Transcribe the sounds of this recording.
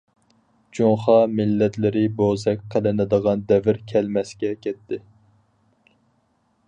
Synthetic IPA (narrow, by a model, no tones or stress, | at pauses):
d͡ʒoɴχɑmɪlːɛt̪lɪɾɪbozɛkʲqʰəlɪnɨd̪əʁɑnd̪ɛvɪɾkʲʰɛlmɛsɡʲɛkʲʰɛt̪ʰːɪ